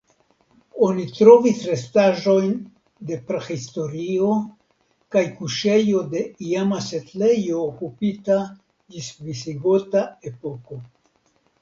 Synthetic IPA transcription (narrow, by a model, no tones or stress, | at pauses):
o̞nitɾo̞visɾe̞staʒo̞jn | de̞pɾexisto̞ɾio̞ | kajkuʃe̞jo̞de̞iamasetle̞joːkupita | d͡ʒisvisiɡo̞tae̞po̞ko̞